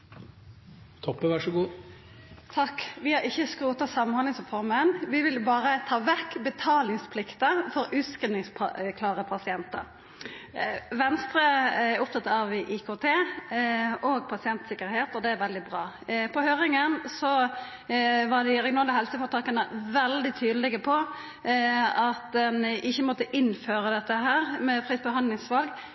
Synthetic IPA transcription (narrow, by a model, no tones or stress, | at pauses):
t̪ʰɔpːəʋæʂəɡuː | t̪ʰɑkːʋɪhɑɾɪçːəskɾuːt̪ɑsɑmnhɑlɪsɔfɔɾmənʋɪʋɪlbɑːʁət̪ʰɑːʋɛkːbət̪ʰɑːlɪŋspʰlɪkt̪əfɔɾʉːskənɪŋspʰɑkʰlɑːʁəpʰɑsɪɛnt̪ə̰ɾ | ʋɛnst̪ɾəʊp̚t̪ʰɑt̪ɑɑʋɪʔiːkʰoːt̪ʰeː | ɔɡpʰɑsɪɛnt̪sɪkːəɾheːt̪ɔd̪ɛæɾʋɛld̪ɪbʁɑː | pʰɔhøːɾɪŋənsɔ | ʋɑd̪ɪʁɛɡɪnɑːlːəhɛlsəfɔʁt̪ʰɑːkənəʋɛld̪ɪt̪ʰyːd̪əlɪɡəpʰɔ | ɑt̪d̪ɛnʔɪçːəmɔt̪ːəʔɪnføːɾəd̪ɛt̪ːəɦæːʁmɛfʁiːt̪bəɦɑnd̪ɪŋsʋɑlɡ